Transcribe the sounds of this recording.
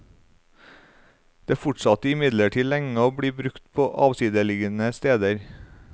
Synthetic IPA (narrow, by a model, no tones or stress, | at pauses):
d̪̥eːfʊʈsɑt̪əɪmɪd̪ləʈʰiːlɛŋəoːbɽiːbɾʉkt̪pʰoːʔɑːʋsiːd̪əlɪɡənəst̪eːd̪əɾ